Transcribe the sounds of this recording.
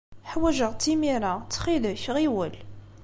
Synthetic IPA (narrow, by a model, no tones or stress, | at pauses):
ħwæʒəʁt̪imiɾat͡sːχiləçʁiwəl